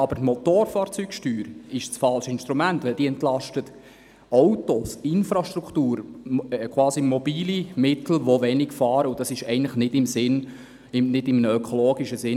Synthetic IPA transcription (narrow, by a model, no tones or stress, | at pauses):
ɑbəɾtmot̪oːɾfɑːɾt͡syːkʃtyːɾɪʃt͡sfɑlʃəɪnʃtɾumæntʋɛld̥iːəɛntlɑʃtət | ɔwtosɪnfɾɑʃtruktuːɾkʰʋwɑːsimɔbiːlimɪt̪l̩ʋoʋɛnikfɑːɾəʊd̥ɑsɪʃɛɪəntləχnɪdɪmsɪn | ɪnɪdɪmənəøkʰoloːɡiʃəzɪ